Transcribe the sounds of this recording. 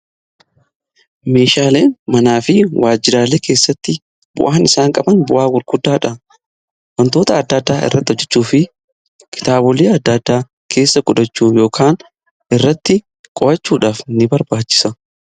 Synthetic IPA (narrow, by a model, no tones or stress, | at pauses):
me̞ːʃaːle̞ːnmɐnaːfɪwʔaːd͡ʒːɪɾaːleːke̞ːsːɐt̪ːɪ | bʊ̰ʔaːnɪsaːŋkʼɐbɐnbʊʔaːɡʊɾɡʊd̪ːaːᶑɐ | wɐnt̪o̞ːt̪ɐːd̪ːɐd̪ːaːɪ̰rːɐ̰t̪ːɪɔd͡ʒɛt͡ʃːuːfɪ | kʰɪ̥t̪aːbɔleːɐd̪ːɐd̪ːaː | kʰe̞ːsːɐkʊᶑɐt͡ʃːuːjo̞ːkʰaːn | ɪrːɐt̪ːɪ | kʼɔʔɐt͡ʃːuːᶑaːfnɪbɐɾbaːt͡ʃːɪ̥sɐ